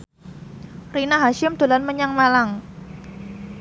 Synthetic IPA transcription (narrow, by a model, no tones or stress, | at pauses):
rinaɦaʃɪmd̪̥o̤lanməɲaŋmalaŋ